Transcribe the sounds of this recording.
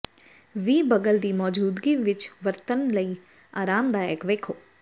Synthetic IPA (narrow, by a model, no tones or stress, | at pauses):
ʋiːbəɡəld̪iːmɔːd͡ʒuːd̪ɡiːʋɪt͡ʃʋəɾt̪ənləiː | aːɾaːmd̪aːɛːkʋeːkʰoː